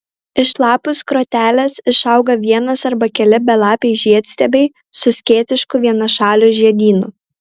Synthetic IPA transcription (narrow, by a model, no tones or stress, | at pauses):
ɪʃlˠɑːpʊskɾoːt̪ʲæːlʲɛsɪʃɐˑʊɡɐʋʲiɛnɐsɐɾbɐkʲɛlʲɪbʲɛlˠɑːpʲɛɪʒʲiɛt̪ʲsʲt̪ʲɛbʲɛɪ | sʊsʲkʲeːt̪ʲɪʃkʊʋʲiɛnɐʃɑːlʲuʒʲiɛd̪ʲiːnʊ